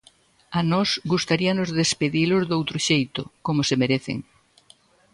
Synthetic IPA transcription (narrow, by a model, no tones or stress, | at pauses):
anɔsɡust̪aɾiɐnʊzðespeðilʊzðowt̪ɾʊʃejt̪ʊkomʊsemeɾeθɪ̰ŋ